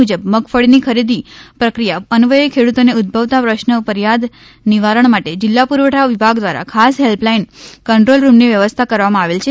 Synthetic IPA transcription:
ud͡ʒəbməɡfəɭinikʰəɾid̪ipɾəkɾijaənʋəjkʰeɽut̪oneʊd̪̚bʱəʋt̪apɾəʃnəpəɾjad̪ | niʋaɾəɳmaʈed͡ʒɪlːapuɾʋəʈʰaʋibʱaɡd̪ʋaɾa̰kʰasɦelplainkəɳʈɾolɾumniʋjəʋəst̪ʰakəɾʋamãaʋelt͡ʃʰe

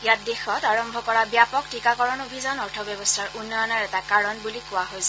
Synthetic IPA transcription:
ijat̚dexɔtaɹɔmbʱɔkɔɹabijapɔktikakɔɹɔnobʱizanɔɹtʰɔbjɔbɔstʰaɹunːɔjɔnaɹɛtakaɹɔnbulikʊwaɦojs

